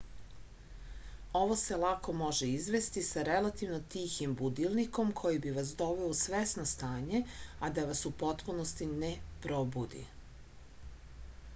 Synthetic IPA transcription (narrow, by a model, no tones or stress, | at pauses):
o̞ʋo̞selˠako̞mo̞ʒeizʋest̪isaɾelat̪iʋno̞t̪içimbud̪ilniko̞mkʰo̞jibiʋasd̪o̞ʋeosʋesnost̪aːɲe̞ad̪aʋasupo̞t̪punost̪inepɾo̞bud̪ḭ